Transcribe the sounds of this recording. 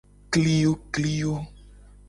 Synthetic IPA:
kli˦jo˦kli˦jo˦

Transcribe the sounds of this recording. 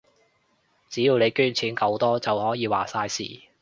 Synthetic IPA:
t͡siː˨˥jiː˨˧wne˨˧jkyː˥nt͡sʰiː˨˥nkɐ˧wt̪ɔː˥t͡sɐ˨whɔː˨˥jiː˨˧wa̰ː˨˩saː˧jsḭː˨˩

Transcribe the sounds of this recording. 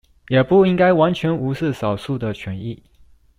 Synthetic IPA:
jɛ˨˩pu˥˩i˥ŋka˥ɪwa˧˥nt͡ɕʰɥɛ˧˥nu˧˥ʂ̩˥˩sɑ˨˩ʊsu˥˩d̪ə˨t͡ɕʰɥɛ˧˥ni˥˩

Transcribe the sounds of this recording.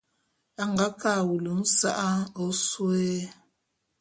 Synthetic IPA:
a˨ŋɡa˨˦ka˦˨wu˨lu˨n̩˦sa˦ʔa˦o˦swɛ˦

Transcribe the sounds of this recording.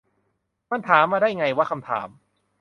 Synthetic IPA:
ma˧˥˨nt̪ʰaː˩˦mːaː˧daː˥˩jŋa˧jwaː˧˥˩kʰa˧mt̪ʰa̰ː˩˦m

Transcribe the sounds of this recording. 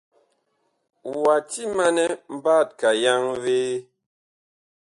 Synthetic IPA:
wa˨ti˦ma˦nɛ˦m̩˦ba˦˨t̚ka˨ja˦ŋveː˦

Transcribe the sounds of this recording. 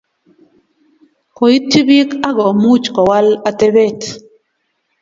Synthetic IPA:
kɔ˨i˦tʰːi˦bi˦ka˦ɡɔ˨mu˦t͡ʃkɔ˨wa˦la˨tɛ˦bɛ˦˨t

